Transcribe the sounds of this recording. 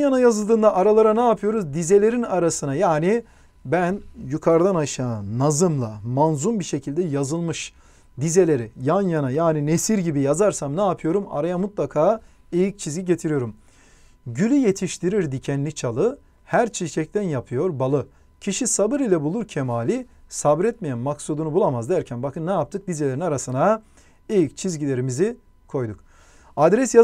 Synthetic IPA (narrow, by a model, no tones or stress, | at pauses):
janajazɯlˠd̪ɯːnd̪aʔaɾalˠaɾanaːpʰɯjo̞ɾuzd̪ize̞lʲe̞ɾinaɾasɯnajaːni | bænjukʰaɾd̪anaʃaːnːazɯmlˠamanzumbiʃe̞cʰilʲd̪ɛjazɯlˠmɯʃ | d̪ize̞lʲe̞ɾijanjanajaːninesiɾɟibijazaɾsamnaːpʰɯjo̞ɾuma̰ɾajamut̪lˠakʰaː | ejic̚t͡ʃʰizɟiɟet̪ʰiɾijo̞ɾum | ɟylʲyje̞t̪ʰiʃt̪ʰiɾiɾd̪icʰɛnlʲit͡ʃʰalˠɯ | hæɾt͡ʃʰit͡ʃʰɛc̚t̪ʰænjapʰɯjo̞ɾbalˠɯ | cʰiʃisabɯɾilʲɛbulˠuɾcʰɛmaːlʲisabɾɛt̪̚mejænmaksud̪unubulˠamazd̪æɾcʰænbakʰɯnːɛjap̚t̪ʰɯk̚d̪ize̞lʲeɾinaɾasɯna | ejic̚t͡ʃʰizɟilʲe̞ɾimizi | kʰo̞jd̪uk | ad̪ɾɛsja